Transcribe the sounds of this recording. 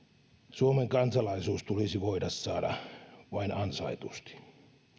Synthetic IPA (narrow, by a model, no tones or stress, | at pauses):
suomeŋkɑnsɑlɑisuːst̪ulisiʋoidɑssɑːdɑ̰ʋɑinɑnsɑit̪ust̪i̥